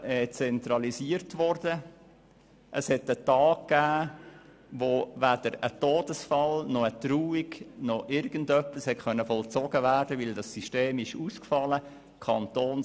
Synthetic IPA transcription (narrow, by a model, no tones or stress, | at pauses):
ɛt͡sɛntɾɑlisiəɾtvʋɔɾdə | ʔəshɛtətɑːkkːæː | ʋovæd̥əɾə̰toːd̥əsfɑlnɔətɾuːiɡnɔʔɪɾɡ̥əndœpːishɛtχœnːəfɔlt͡sɔɡəvæːrd̥əʋɪldɑsiʃteːmɪʃuːskfɑlə | kʰɑnt̪oːn